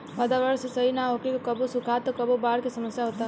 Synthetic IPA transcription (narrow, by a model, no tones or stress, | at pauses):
ʋəd̪aʋəɾsesəɦinaɦokekekəbosukʰat̪ɔkəbobaɾkesəməsjaɦot̪a